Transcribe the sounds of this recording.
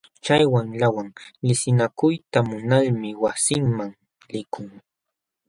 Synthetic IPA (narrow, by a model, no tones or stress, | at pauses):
t͡ʃajwaŋlawaŋlɪsɪnakʊjt̪amʊnalmɪwasɪŋmaŋ | lɪkʰʊŋ